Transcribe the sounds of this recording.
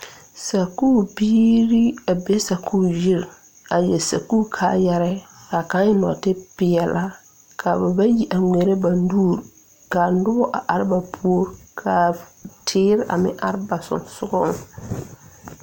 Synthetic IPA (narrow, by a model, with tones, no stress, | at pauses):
sa˨ku˦˨biː˦ɾi˦a˨be˦sa˨kʰuː˦ji˦ɾ | a˨jɛ˨sa˨ku˦kʰaː˨jɛ˦ɾɛ˦ | ka˨ka˦ɪ˦nɔ̰˨tɪ˦pɪ˨ɛ˨lʔa˦ | kʰa˨ba˨ba˦ji˦ʔa˨ŋʷe˨ɾe˦ba˨n˦duː˦˨ɾ | ka˨n˦dʊ˦bɔ˦ʔa˨ʔa˨ɾɪ˦ba˨pʰu˦o˦ɾkʰa˨tʰɪː˦ɾʔa̰˨mɪ̰̃˦ʔa̰˦ɾɪ˦ba˨sʊ̰˨nsʊ˦ɡɔ˦ŋ˨